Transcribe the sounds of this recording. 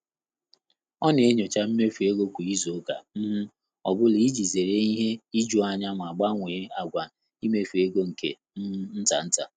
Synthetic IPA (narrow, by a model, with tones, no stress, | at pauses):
ɔ˦ne˨˦ɲo˨t͡ʃa˦m̩˦me˦fu˨e˦ɡo˦kʷu˨i˦zo˨˦ka̰˨m̩˦m̩˦ | ɔ˨bʊ˦li˦d͡ʒi˨ze˨ɾe˦i˦ɦe˦i˦d͡ʒu˦a˨ɲa˦mʷ˨a˨ɡ͡ba˦ŋʷe˨˦a˨ɡʷa˨ | i˦me˦fe˦ɡo˦ŋ̩˨kḛ˨˦n̩˦ta˨n̩˦ta˨